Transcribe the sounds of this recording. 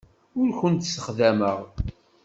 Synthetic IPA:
ʊɾçənt̪səχðæməʁ

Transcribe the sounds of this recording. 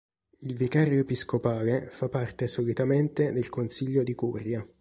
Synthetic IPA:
ilvikaːɾjoepiskopaːlefapːart̪esolit̪ament̪ed̪elkonsiʎːod̪ikurja

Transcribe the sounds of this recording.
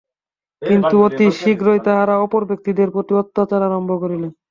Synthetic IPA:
kint̪uot̪iʃikɾojt̪aɦaɾaɔpoɾbʱek̚t̪id̪eɾpɾot̪iot̪ːat͡ɕaɾaɾɔmbʱokoɾilen

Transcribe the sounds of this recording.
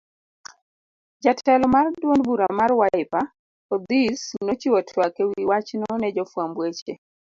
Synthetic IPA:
d͡ʒatʰɛlɔmardwonbuɾamarwaɪpa | ɔd̪isnot͡ʃiwɔtʰwakɛwiwat͡ʃnɔnɛd͡ʒɔfwambwet͡ʃe

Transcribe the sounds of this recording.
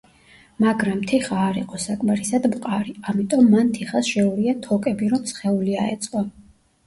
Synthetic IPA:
maɡɾamt̪ʰiχaːɾiqʼɔsakʼmaɾisad̪mqʼaɾiamit̪ʼɔmːant̪ʰiχasʃɛuɾiat̪ʰɔkʼɛbiɾɔmsχɛulia̰ɛ̰t̪sʼqʼɔ

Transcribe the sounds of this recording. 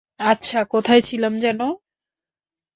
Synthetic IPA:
atːɕʰakot̪ʰaet͡ɕʰilamd͡ʑɛno

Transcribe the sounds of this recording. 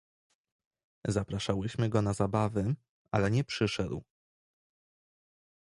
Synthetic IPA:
zapɾaʂawɘɕmɘɡɔnazabavɘ | alɛɲɛpʂɘʂɛd̪w

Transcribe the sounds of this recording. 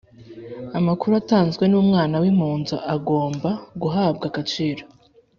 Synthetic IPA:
amakuɾuataːnzɡwe̞nuːmŋaːnawim̥uːnzo̰ʔaɡo̞ːmbaɡuɦaːbɡakat͡ʃiːɾo

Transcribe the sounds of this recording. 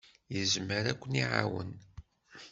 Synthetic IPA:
jəzməɾækʷːəniʕa̰wə̰n

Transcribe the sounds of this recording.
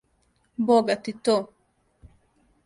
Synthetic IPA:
boɡat̪it̪ːo

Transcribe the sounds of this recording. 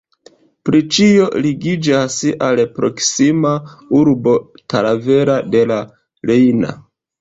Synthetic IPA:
pɾit͡ʃio̞liɡid͡ʒasalpɾo̞̰ksimauɾbo̞talave̞ɾade̞la | lejna̰

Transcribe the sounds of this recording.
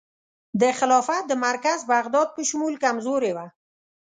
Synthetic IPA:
d̪əxɪlɑfat̪̚d̪əmaɾkazbaɣd̪ɑd̪̚pəʃʊmulkamzoɾewa

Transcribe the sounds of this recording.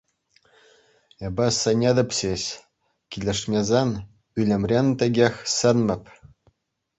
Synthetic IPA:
ebɑsɤ̆nʲed̪ɤ̆pɕeɕ | kʲilʲĕʂmʲezen | ylʲĕmʲrʲent̪ʲĕɡʲexʲsɘ̆nmʲɘ̆pʲ

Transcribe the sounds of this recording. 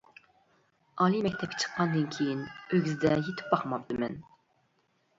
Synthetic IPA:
ɑlˠimɛkʲt̪ʰɛp̚kʲɪ̥t͡ʃʰə̥qːɑnd̪ɨnkʲʰejinøɡʲyzɪd̪ɛjet̪ʰɪ̥p̚bɑχmɑp̚d̪ɨmɛn

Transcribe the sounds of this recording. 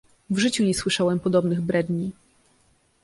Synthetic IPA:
vʐɘt͡ɕuɲɛswɘʂawɛmpɔd̪ɔbnɘɣbɾɛd̪ɲi

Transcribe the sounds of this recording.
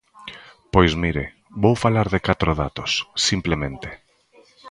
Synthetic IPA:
pojzmiɾe | bowfalaɾðɪkat̪ɾoða̰t̪osːimplemẽnt̪e̥

